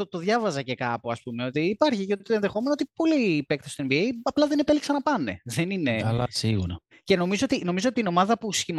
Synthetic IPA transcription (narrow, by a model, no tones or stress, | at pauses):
ot̪o̞ðʝɐvɐzɐce̞kɐpuɐspume̞o̞t̪iːpɐɾçicet̪oenðexo̞me̞not̪ipo̞lipe̞kt̪ɐst̪oenbiejɐplɐðene̞peliksɐnɐpɐne̞̰ðenineɐlɐsiɣṵɾɐ | ce̞no̞mizoot̪ino̞mizoot̪ino̞mɐðɐpusçimɐ